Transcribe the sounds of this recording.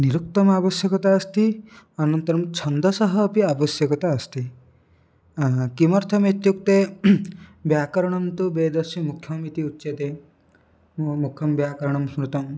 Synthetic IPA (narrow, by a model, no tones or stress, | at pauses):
niɾukt̪ɔmabɔsjɔkɔt̪aːst̪i | ɔnɔnt̪ɔɾɔmt͡ʃʰɔnd̪ɔsɔɦɔːpiabɔsjɔkɔt̪aːst̪i | kimɔɾt̪ʰɔmet̪juk̚t̪e | bjakɔɾɔɽ̃ɔmt̪ubed̪ɔsimukʰjɔmit̪iut̪ːʃed̪e | mukʰjɔmbjakɔɾɔɽ̃ɔmsmɾut̪ɔm